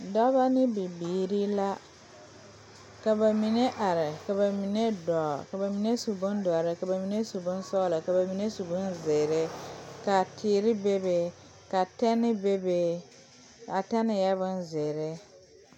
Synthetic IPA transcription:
dɔ˦ba˦nɪ˦bi˨biː˨ɾi˦la˦ | ka˨ba˨mi˨ne˦ʔa˨ɾɪ˨ka˨ba˨mi˨ne˦dɔ˨ka˨ba˨mi˨ne˦su˨bʊ˦ndɔ˨ɾɪ˨ka˨ba˨mi˨ne˦su˨bʊ˦n˦sɔ˦la˨ka˨ba˨mi˨ne˦su˨bʊ˦nzɪ˨ɾɪ˦ka˨tʰɪː˨ɾɪ˦be˦be˨ | ka˨tɛ˦nɪ˦be˦be˨ | a˨tɛ˦nɪ˨jɛ˦bʊ˦nzɪ˨ɾɪ˦

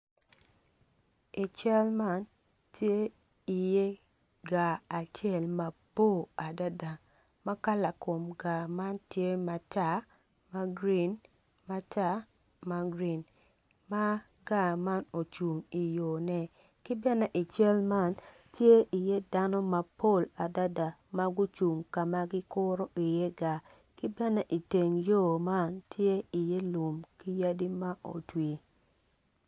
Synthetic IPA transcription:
i˨t͡ʃɛ˦lma˦n | tje˦ | i˨je˦ | ɡaː˨t͡ʃjɛ˦˨lma˨b̥o˦˨a˨da˦da˨ | ma˦ka˦la˨ko˨mɡa˨ma˦ntje˦ma˨ta˦ | ma˦ɡɾi˦˨˦n | ma˨ta˦ | ma˦ɡɾi˨n | ma˦ | ɡa˦˨ma˦no˨t͡ʃu˨ŋi˨jo˨nɛ˦ | ki˦bɛ˦nɛ˦ʔi˨t͡ʃɛ˦lma˦˨n | tje˦ʔi˨je˦da˦nɔ˦ma˦po˦˨la˨da˦da˨ma˦ɡu˦t͡ʃu˨ŋka˨ma˦ɡɪ˦kʊ˦ɾo˦ʔi˨je˦ɡa˨ | ki˦bɛ˦nɛ˦ʔi˨te˨ŋjo˦ma˦ntʰje˦i˨je˦lu˨mki˦ja˦di˦ma˦ʔo̰˨twi˨

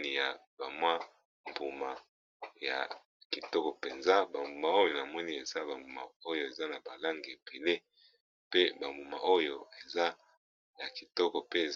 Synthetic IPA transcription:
ni˦ja˨ba˨mwa˦ | mbu˨ma˨ | ja̰˨ | ki˨tɔ˦kɔ˨pe˨nza˦ba˨mbu˨ma˨o˦jo˨na˨mɔ˦ni˦e˨za˦ba˨mbu˨ma̰˨o˦jo˨e˨za˦na˨ba˨la˦ŋɡe˨pʰe˨le˦ | pe˦ba˨mbu˨ma̰˨o˦jo˨e˨za˦ | ja˨ki˨tɔ˦kɔ˨pe˦e˨

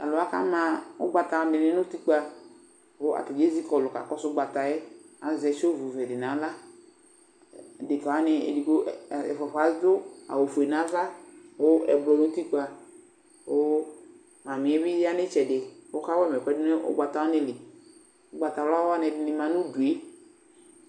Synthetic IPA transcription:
a̰˨lʊ˨a˦ka̰˦mã˨ʊ̰˦ɡ͡ba˨ta˨ɔ˨dɪ˨nɪ˦nʊ˦ti˦k͡pa˧ | wo˦a̰˨tɪ˨d͡ʒe˦zi˦kɔ˨lʊ˨ka̰˨kɔ˦sʊ˦ɡ͡ba˨ta˨jɛ˦ | a˨zɛ˨ʃo˦vu˨vɛ˨dɪ˨nã˨˦la˦˨ | dɪ˨ka˨wa˦nɪ˧ḛ˨di˨ko˦˨ɛ̰˨fɔ˨fa˨˦dʊ˦a̰˨wo˨fu˨e˨nã˨˦va˦wo˦ɛ˨blɔ˨nʊ̃˦ti˦k͡pa˧ | o˦ | ma˨mɪ̃˨ɛ˦bɪ˦a˦nɪ˦t͡ʃɛ˨dɪ˨o˦ka˦wɛ˦mɛ˨kɛ˦dʊ˦nɪ˦ʔʊ̰˦ɡ͡ba˨ta˦wɔ˦nɪ˨lɪ˨ | ʊ˦ɡ͡ba˨ta˨˦la˦a˦nɛ˨˧˨dɪ˨nɪ˧mã˨nʊ̃˦du˨e˦

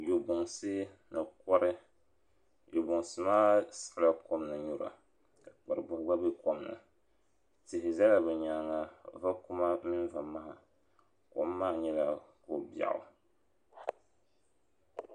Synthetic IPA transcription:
jo˨bʊ˨ŋsɨ˦ | nɨ˨kɔ˦ɾɨ˦ | jo˨bʊ˨ŋsɨ˨maː˦sḁ˨la˦ko˦mnɨ˨ɲu˨ɾa̰˨ | ka˨k͡pa˨ɾɨ˨bʊ˨hɡ͡ba˦bɛ˦ko˦mnɨ̰˨ | tɪ˨hɪ˨za˦la˨bɛ˨ɲaː˨˦ŋa˨va˦kʊ˦ma˦mɪ˦n˦va˨ma˦ha˨ | ko̰˨˦mːaː˦ɲɛ˦la˨ko˨bja̰˨ʔʊ̰˨

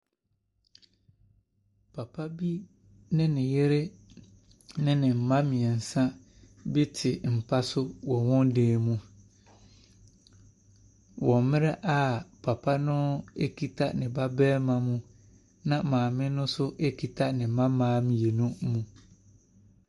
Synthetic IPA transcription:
pʰa˨pʰa˦bi˦ | nɪ̃˦nɪ̃˨je˦ɾe˦ | nɪ̃˦nɪ̃˨m̩˨mã˦mɪ̃˨ɛ˨n̩˨sã˦ | bɪ˦tʰɪ˨m̩˨pʰa˦sʊ˦wɔ̃˨wɔ̃˦ndeː˨˦˨mũ˦ | wɔ̃˨mɪ̃˦ɾɛ˦ʔa˦˨pʰa˨pʰa˦nʊ̃˦e˦kʰi˦tʰa˦nɪ̃˨ba˦bɛː˦mã˨mũ˦ | nã˨mãː˨mɪ̃˦nʊ̃˦sʊ˦ʔe˦kʰi˨tʰa˦nɪ̃˨mã˦mãː˦mĩ˨je˨nũ˦mũ˨

